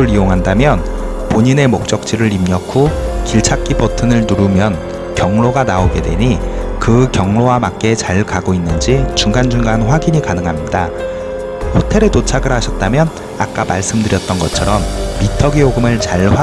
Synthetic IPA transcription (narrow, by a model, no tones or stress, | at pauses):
ɯɾioŋɦandamjʌn | poɲine̞mok̚t͡ɕ͈ʌk̚t͡ɕ͈iɾɯɭimɲʌkʰokiɭt͡ɕʰak͈ibʌtʰɯnɯɭnuɾumjʌn | kjʌŋɭoɡanaoɡe̞̰dwe̞̰ɲikɯkjʌŋɭowamak͈̚e̞t͡ɕaɭkaɡoinːɯnd͡ʑit͡ɕuŋɡand͡ʑuŋɡanɸwaɡiɲikanɯŋɦamɲida | hotʰe̞ɾe̞tot͡ɕʰaɡɯɾhaɕʰʌt̚t͈amjʌn | a̰k͈ama̰ɭs͈ɯmdɯɾjʌt̚t͈ʌnɡʌt͡ɕʰʌɾʌmːitʰʌɡijoɡɯmɯɭt͡ɕaɭɸwa